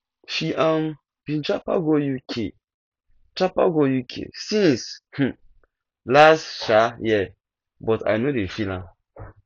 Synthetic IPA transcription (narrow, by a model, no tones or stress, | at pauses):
ʃiʔãm | b̥ĩnt͡ʃapaɡojukʰḛ | t͡ʃapaɡojukʰḛsĩnsh̩ | lastʃajɛ | bɔta̰jnodefilã